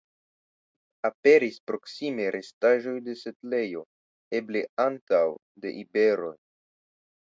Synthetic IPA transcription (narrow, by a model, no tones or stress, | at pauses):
ape̞ɾispɾo̞ksimeɾʔe̞staʒo̞jde̞se̞tle̞jo̞ | e̞ble̞antaw | de̞̰ʔibe̞ɾo̞̰j